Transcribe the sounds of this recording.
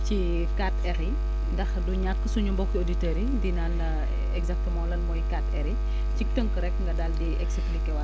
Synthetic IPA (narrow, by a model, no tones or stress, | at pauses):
ci | katɛɾi | ndɐxduɲat̚kəsuɲumbɔkːioditɛɾidinandɐ | ɛɡzak̚təmãːlɐnmɔːjkatɛɾi | cik̚təŋkəɾɛkːŋɡɐdaldiɛksplikɛwɐ